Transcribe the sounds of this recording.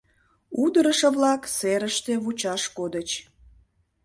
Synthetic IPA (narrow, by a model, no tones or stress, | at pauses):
ud̪əɾəʃəβlɑkseɾəʃt̪eβut͡ɕɑʃkod̪ət͡ɕ